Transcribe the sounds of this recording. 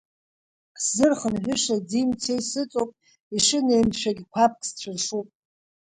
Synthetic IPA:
szɨrχənħʷᶣʏʂadimtʰejsɨt͡sʼopʼ | iʂɨnejmʃʷᶣaɡʲikʷʰap̚ʰkʼʰst͡ɕʷʰarʂupʼ

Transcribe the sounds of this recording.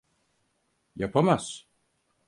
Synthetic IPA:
japʰamas

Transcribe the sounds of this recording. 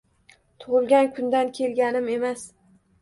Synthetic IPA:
t̪ʰʊʁɨlˠɡʲankʰʊnd̪ankʲʰe̞lɡʲanɪme̞mas

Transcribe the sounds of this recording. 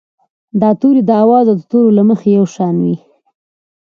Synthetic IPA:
d̪ɑt̪uɾid̪əawɑzad̪ət̪oɾolaməxejawʃɑnwi

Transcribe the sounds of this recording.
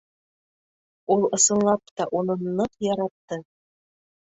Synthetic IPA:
ulˠɤ̆sɤ̆nlˠɑp̚t̪ɑʔunɤnːɤqjɑɾɑt̪ːɤ

